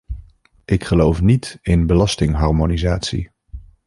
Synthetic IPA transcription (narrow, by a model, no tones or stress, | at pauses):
ʔɪkχəlowfnitɪnbəlɑstɪŋɦɑɹmonizaːtsḭ